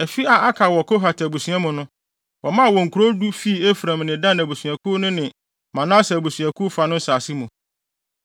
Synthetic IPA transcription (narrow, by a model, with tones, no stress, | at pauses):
ɛ˨fi˦a˨a˦kʰa˨wɔ˨kʰo˦ɦa˨tʰbu˨sɥã˦mʊ̃˨nʊ̃˦ | wɔ˨mã˦˨wɔ˨ŋ̩˨kʰu˨ɾo˦du˦fi˦˨e˦fɾã˨mnɪ̃˨dã˦næ˨bu˨sɥa˨kʰu˦nʊ̃˦nɪ̃˨ | mã˨nã˦sɛ˨bu˨sɥæ˨kʰu˦fa˨nʊ̃˦n̩˦saː˨si˦mũ˨